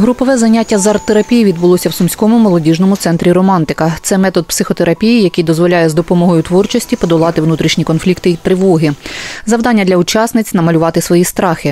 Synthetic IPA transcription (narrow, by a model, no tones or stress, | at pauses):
ɦɾupɔʋɛzɐnʲatʲːɐzɑrt̪ːeɾɐpʲijiʋʲid̪̚bʊlˠɔsʲɐwsʊmsʲkɔmʊmɔlˠɔdʲiʒnɔmʊt̪sɛnt̪ɾʲiɾɔmɑnt̪ɪkɐt̪sɛmɛt̪ɔd̪̚psɪxɔt̪eɾɐpʲijijɐkejd̪ɔzʋɔlʲajɛzd̪ɔpɔmɔɦɔjʊt̪ʋɔrt͡ʃɔsʲtʲipɔd̪ɔlˠɑt̪ɪʋnut̪ɾʲiʃnʲikɔnflʲikt̪ɪit̪ɾɪʋɔɦɪzɐwd̪ɑnʲːɐd̪lʲɐʊt͡ʃɑsnɪt͡sʲnɐmɐlʲʊʋɑt̪ɪsʋɔjist̪ɾɑxɪ